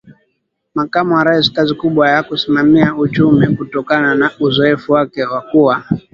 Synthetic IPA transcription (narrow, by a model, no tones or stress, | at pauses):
makamuwaɾaisi̥kazikuɓwajakusimamiaut͡ʃumikutɔkananauzɔɛfuwakɛwakuwa